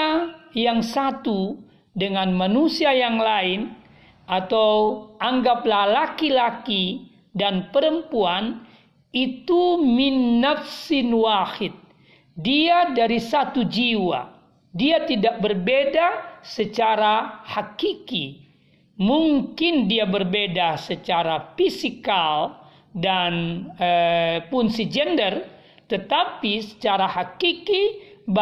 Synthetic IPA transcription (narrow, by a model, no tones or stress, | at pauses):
jaŋsat̪u | dəŋanmanusiajaŋlaɪn | ʔat̪awʔaŋɡaplahlakilaki | danpəɾəmpuan | it̪uminːafsinwahɪt̪̚ | diadaɾisat̪ud͡ʒiwa̰ | diat̪idak̚bərbedasət͡ʃaɾahakiki | muŋkɪndiabərbedasət͡ʃaɾafisikal | danəpʊnsid͡ʒɛndər | t̪ət̪apisə̥t͡ʃaɾahakikib